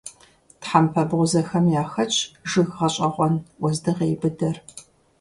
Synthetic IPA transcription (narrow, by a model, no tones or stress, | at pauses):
tħampʰɐbʁʷʊzɐxɐmjaːxɐt͡ʃʼʰʒɨɣʁɐɕʼɐʁʷɔnwɔzdɨʁeːbɨdɐr